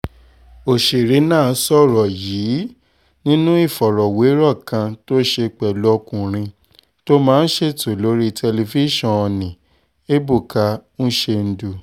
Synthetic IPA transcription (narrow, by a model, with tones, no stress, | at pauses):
o˨ʃe˨ɾi˨˦nãː˦˨˦sɔ˦˨ɾɔ˨jiː˨˦ | nĩ˦nũ˦i˦˨fɔ˨ɾɔ˨we˨˦ɾɔ˦˨kã˧to˦ʃe˧k͡pɛ˨lɔ˦˧kũ˨ɾ̃ĩ˧ | to˦mãː˦n̩˦ʃe˦˨to˨lo˨˦ɾi˦tʰɛ˧le˧fi˦ʃɔ̃˦˨ɔ˧nĩ˨ | e˦bu˦˨ka˧ñ̩˦ʃe˧n̩˧˦du˧